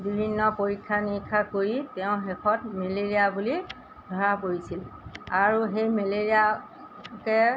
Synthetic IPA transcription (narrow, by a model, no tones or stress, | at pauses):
bibʱinːɔpoɹikʰːanikʰːakoɹitɛʊ̃ɦɛkʰɔt̚meleɹijabuli | dʱɔɹakoɹisilaɹuɦejmeleɹia | kɛ